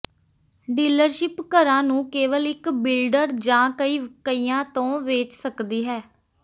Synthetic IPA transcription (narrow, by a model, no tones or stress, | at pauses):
ɖiːləɾʃɪpkəɾãːnũːkeːʋəlɪkbɪlɖəɾd͡ʒãːkəiːkəiːjãːt̪õːʋeːt͡ʃsəkd̪iːɦɛː